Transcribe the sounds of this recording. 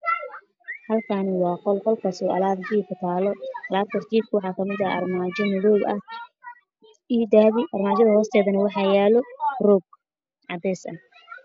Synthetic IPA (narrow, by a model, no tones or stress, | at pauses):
hɐlkʰanɪwɑːqɔlqɔlkʰɐsɔʔɐ̰laːd̪ɡiːkʰʊt̪ʰaːlɔʔɐlaːd̪̚kʰɐrt͡ʃ̪ʰiːb̚kʰʊwɑħɑːkʰɐmɪðɐɐ̰rmaːt͡ʃɔmɪðɔːlɐ̰h | id̪aːβɪʔɐrmaːt͡ʃɐðɐhɔːst̪ʰɛːðɐnɐwɑħɑːjɛːlɔrɔɡ̚ | ʕɑd̪ɛːsɐ̰n